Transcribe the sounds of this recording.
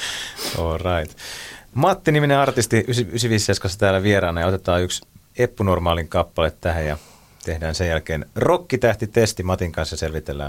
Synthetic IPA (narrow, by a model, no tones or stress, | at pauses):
oːrɑit̪mɑt̪ːinimineɑrt̪ist̪iysiysiʋisːeskɑsːɑt̪æːlːæʋieɾɑːnɑjɑo̞t̪et̪ɑːyks | epːunormɑːliŋkɑpːɑlet̪tæɦæjjɑ | t̪ehdæːnsejælkeːnrokːit̪æht̪it̪est̪imɑt̪iŋkɑnsjɑselʋit̪elːæ̰ː